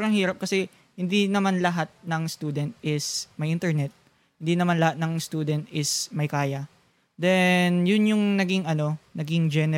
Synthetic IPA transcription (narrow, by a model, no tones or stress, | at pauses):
ɾɐŋhiːɾɐp̚kɐsɛ | hɪnd̪inɐmanlɐɦat̪̚nɐŋst̪uːd̪ɛnt̪̚ʔɪsmɐjʔɪ̃nt̪ɛɹnɛt̪̚ | hɪnd̪inɐmanlɐhat̪̚nɐŋst̪uːd̪ɛnt̪̚ʔɪsmɐjkaːjɐ | d̪ɛnjʊnjʊŋnɐɡiŋʔɐno̞nɐɡɪŋd͡ʒɛnɛ